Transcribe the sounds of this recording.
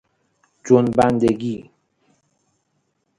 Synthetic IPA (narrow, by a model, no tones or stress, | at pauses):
d͡ʒonbænd̪eɡiː